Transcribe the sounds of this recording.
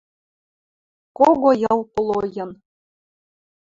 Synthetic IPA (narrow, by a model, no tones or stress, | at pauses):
koɣojɤ̆lˠpɤ̆lˠojɤ̆n